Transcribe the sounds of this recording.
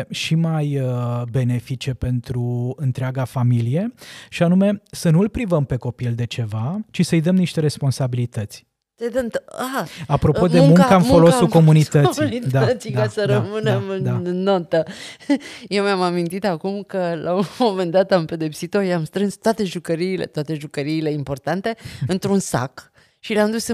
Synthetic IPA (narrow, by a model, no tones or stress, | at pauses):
ʃimajəbe̞ne̞fit͡ʃe̞pe̞nt̪ɾuɨnt̪ɾeaɡafamilije̞ʃianume̞sənuɨlpɾivəmpe̞ko̞pild̪e̞t͡ʃe̞vat͡ʃisəɨjd̪əmniʃt̪e̞ɾe̞spo̞nsabilit̪ət̪sʲ | t̪ed̪əmt̪aapɾo̞o̞d̪eŋmuŋkanfolosuko̞munit̪ət̪snit̪d̪aət̪sid̪kasəɾəmɨne̞mɨnaːot̪ə | jewmamamint̪it̪akumkəlʔaomo̞me̞nd̪at̪ampe̞d̪e̞psit̪o̞jamst̪ɾɨnst̪oat̪e̞ʒukəɾiːle̞̰t̪wat̪e̞ʒukəɾiːle̞impo̞rt̪ant̪e̞ɨnt̪ɾunsa̰k | ʃileamd̪usɨ